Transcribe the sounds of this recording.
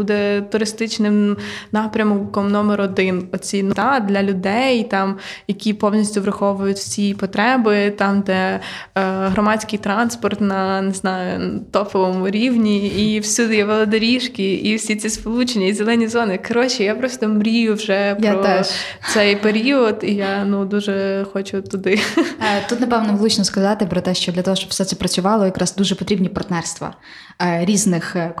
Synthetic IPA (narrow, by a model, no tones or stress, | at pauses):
bud̪ɛt̪ʊɾɪst̪ɪt͡ʃnɪmnɑpɾʲɐmkɔmnɔmeɾɔd̪ɪnɔt͡sʲint̪ɑd̪lʲɐlʲʊd̪ɛjt̪ɑmjɐkʲipɔwnʲisʲtʲʊʋɾɐxɔʋʊjʊtʲwsʲipɔt̪ɾɛbɪt̪ɑmd̪ɛ | ɦɾɔmɑt͡sʲkɪjt̪ɾɑnspɔrt̪nɐneznɑjʊnt̪ɔpɔʋɔmʊɾʲiwnʲiiwsʲud̪ɪjɛʋɔlˠɐd̪ɐɾʲiʃkɪiwsʲit͡sʲispɔlˠut͡ʃenʲːɐizʲelˠɛnʲizɔnɪkɐɾɔt͡ʃɪjapɾɔst̪ɔmɾʲijʊwʒɛppɾɔ | sɛjpeɾʲiɔd̪ijanud̪uʒɛxɔt͡ʃʊt̪ʊd̪ɪt̪ut̪nɐpɛʋnɔʋlˠut͡ʃnɔskɐzɑt̪ɪpɾɔt̪ɛʃt͡ʃɔd̪lʲɐt̪ɔɦɔʃt͡ʃɔb̥fsɛt̪sɛpɾɐt͡sʲʊʋɑlˠɔjɐkɾɑzd̪uʒɛpɔt̪ɾʲibnʲipɐrt̪nɛrst̪ʋɐ̰ | ɾʲiznɪx